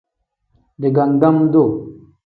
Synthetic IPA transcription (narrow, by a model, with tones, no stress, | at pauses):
de˨ɡa˨ŋ˨ɡa˦mdo˦˨